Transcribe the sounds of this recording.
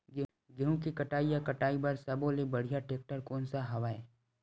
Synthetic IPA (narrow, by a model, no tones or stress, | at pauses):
ɡɪɦũkikɐʈaːijakɐʈaːibɐɾsɐbolebɐɽ̤ijaʈeːk̚ʈəɾkoːnsaɦɐʋaːe